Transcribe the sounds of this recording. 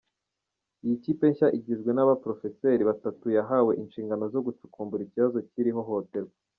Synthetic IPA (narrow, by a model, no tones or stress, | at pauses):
ijiciːpe̞ɲçaʔiɟizɡwe̞naβapɾo̞fe̞seɾiβatatujaɦawe̞ʔinʃiːŋɡano̞zo̞ɡut͡ʃu̥kʰuːmbuɾiciβazo̞ciɾiɦo̞ɦo̞te̞ɾɡa